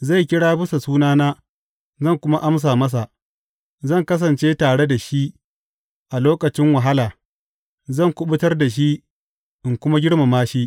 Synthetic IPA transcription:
za˦˨jkʲɪ˦ɽaː˦bɪ˦sa˨suː˦naː˦naː˦ | zɐ˦˨ŋkʷʊ˦ma˦ʔa˦ms̬aː˨mɐ˦s̬a˨ʔ | zɐ˦˨ŋkɐ˦s̬ɐ˨nt͡ʃeː˦taː˨ɽe˦da˨ʃi˦ʔ | ʔa˨loː˦kɐ˨t͡ʃɪ˦ŋwɐ˨ɦa˦laː˨ | zɐ˦˨ŋkʷʊ˦ɓʊ˦tɐ˦rda˨ʃ̬i˦ʔ | ʔɪ˨ŋkʷʊ˦ma˦ɡʲɪ˦ɽma˨maː˦ʃi˦ʔ

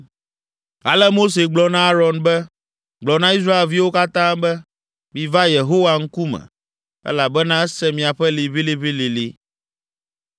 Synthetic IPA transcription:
a̰˨lɛ˦mo˦s̬e˨ɡ͡blɔ˨nã˦a˦ɾɔ˨nbɛ˦ | ɡ͡blɔ˨nã˦i˦s̬ɾa˦e˨lvi˦wo˦ka˦t̪ã˦bɛ˦ | mĩ˨va˦je˨ɦo˦wa˨ŋ̩˦ku˦mɛ̰̃˨ | ɛ̰˦la˨bɛ˦nã˦ɛ˦sɛ˦mĩ˨a˨ɸɛ˦li˨βi˦li˦βi˦li˨li˨

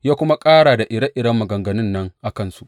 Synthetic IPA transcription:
jaː˦kʷʊ˦ma˦kʼaː˦ɽaː˨da˨ʔɪ˨ɽɐ˦ʔɪ˨ɽɐ˦mːɐ˨ɡɐ˨ŋɡɐ˨nʊ˦nːɐ˦ŋʔa˨kɐ˦nsu˦ʔ

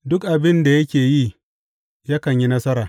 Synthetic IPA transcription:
dʊ˦kʔa˨bɪ˦nda˨jɐ˦kʲeː˨jiː˦ | ja˦kɐ˨ɲji˦nɐ˦sɐ˦ɾaː˨

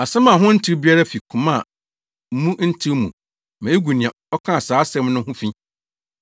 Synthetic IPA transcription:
a˨sɛ̃˦mã˨ɦʊ̃˦n̩˦tʰi˦ɾbi˦a˦ɾa˦fi˨kʰʊ̃˨mã˦˨ | m̩˦mũ˦n̩˦tʰi˦ɾmũ˨ | mã˨˦e˦ɡu˨nɪ̃˨ã˨ɔ˦kʰã˦a˨saː˨˦sɛ̃˦mnʊ̃˦hʊ̃˦fĩ˦

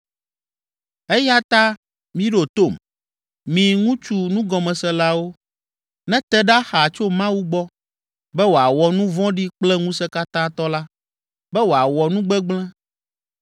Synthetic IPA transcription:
ɛ˦ja˦t̪a˦ | mĩ˦ɖo˨t̪o˦˨m | mĩ˨ŋũ˦t͡ʃu˦nũ˦ɡɔ˨mɛ̃˨sɛ̃˦la˦wo˦ | nɛ̃˦t̪ɛ˦ɖa˦xa˨t͡ʃo˦mã˦wu˦ɡ͡bɔ˦ | bɛ˦wo˨a˨wɔ˨nũ˦vɔ̃˦ɖi˦k͡plɛ˦ŋũ˦sɛ˦ka˦t̪ã˦t̪ɔ˦la˦ | bɛ˦wo˨a˨wɔ˨nũ˦ɡ͡bɛ˦ɡ͡blɛ̃˦

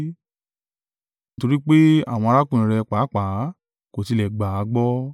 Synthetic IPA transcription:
ni˦to˧ɾi˦k͡pe˦a̰˦˨w̃ɔ̃˧a˧ɾa˦kũ˦˨ĩ˨ɾɛ˧k͡pa˨˦k͡pa˨˦ | ko˨ti˧lɛ˨ɡ͡ba˨˦ɡ͡bɔ˦

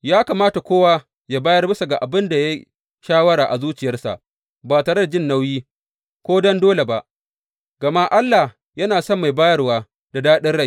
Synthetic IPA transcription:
jaː˦ka˨maː˦ta˨kʷoː˦wa˦ | jaː˦baː˦jɐ˦rbɪ˦sa˨ɡa˨ʔa˨bɪ˦nda˨ja˦ | ʃaː˦wɐ˦ɽaː˨ʔa˨zuː˦t͡ʃɪ˨jɐ˦rsa̰˨ʔ | baː˨taː˨ɽɐ˦rd͡ʒɪ˦nːa˦wjiː˦ | kʷoː˦dɔ˦ndoː˦le˨ba˨ʔ | ɡ̥ɐ˨ma˦ʔa˦lːa˨ | jɐ˦naː˨sɔ˦mːa˨jbaː˦jɐ˦rwaː˦ | da˨daː˦ɗɪ˦nɽa˦˨j

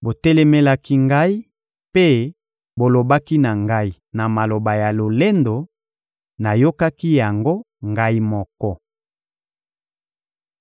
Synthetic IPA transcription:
bo˨tɛ˦lɛ˦mɛ˦la˦ki˦ŋɡa˦i˦ | pe˦ | bo˨lo˨ba˦ki˦na˨ŋɡa˦i˨ | na˨ma˨lo˨ba˨ja˨lo˨le˦ndo˨ | na˨jo˦ka˦ki˦ja˨ŋɡo˦ | ŋɡa˦i˦mɔ˦kɔ˦

